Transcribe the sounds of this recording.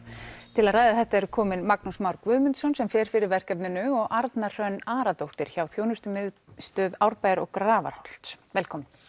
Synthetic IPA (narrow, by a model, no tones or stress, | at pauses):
t̪ʰɪlaðraːjðaθɛht̪aɛɾʏkʰɔːmɪnmaknusmawɾkvʏːmʏnt̪sɔnsɛmfjɛːɾ̥fɪɾɪɾvɛr̥kɛpnɪnʏɔɣʔaɾt̪nar̥œnaːɾat̪owht̪ɪɾ̥çawθjoːwnʏst̪ʏmst̪œːðawɾpaːjɾɔ̰ɣkɾaːva̰ɾhɔl̥t̪svɛlkʰɔːmɪn